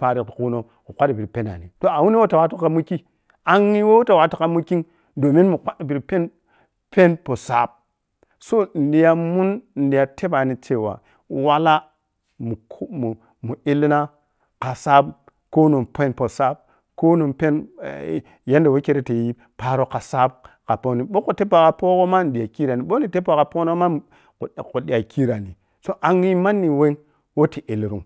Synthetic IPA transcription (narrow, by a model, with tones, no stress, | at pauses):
pa˨ɾi˨ku˦no˨ | ku˨kʷa˦di˨bi˨ɾpe˦na̰˨nḭ˨to˦a˨wu˦ni˦wo˦ta˨wa˦tu˦ka˦mu˦ki˦ | a˦ŋːi˦wo˦wu˦ta˨wa˨tu˦ka˦mu˦ki˦ŋ | do˨mi˦nmu˨kʷa˦dbi˨ɾpe˦n | pe˦npo˨sa˨b̚ | so˦˨n̩˨di˨ja˦mu˦n˨n̩˨di˨ja˨tʰe˦ba˨ni˨t͡ʃe˨wa̰˨ | wa˦la˦ | mu˨˦mu˨ | mu˨i˦li˦na˦ | ka˨sa˦b | ko˦nu˨npe˦npo˨sa˦b̚ | ko˦no˨mpe˦n˨ | ja˦nde˨wo˦ke˦ɾe˦te˨ji˦ | pa˨ɾo˨ka˨sa˦b̚ka˨po˦ni˨ɓo˦ko˨te˦pa˨ka˨po˦ko˦ma˦n˨di˨ja˨ki˦ɾa˨ni˨ɓo˦ni˨te˦p̬a˨ka˨po˦no˦o˦ma˦˨ | ku˨di˨ja˨kʰi˦ɾa˨ni˨ | so˦ʔa˨ŋi˦ma˦nːi˨we˦ | wo˦ti˨ʔi˨lɾu˦ŋ